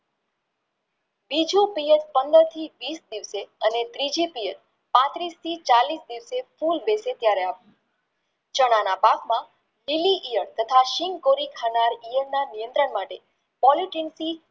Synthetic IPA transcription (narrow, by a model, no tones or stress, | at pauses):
bid͡ʒũpiet̪pənd̪əɾt̪ʰiʋisd̪iʋseənet̪ɾid͡ʒipijet̪̚ | pãt̪ɾist̪ʰit͡ʃalisd̪iʋsefulbeset̪jaɾeaʋu | t͡ʃəɽ̃anapakmã | liliʔijəɽt̪ət̪ʰaʃiŋɡkoɾikʰanaɾijəɳnanijə̃nt̪ɾəɳmaʈe | pɔliʈinsi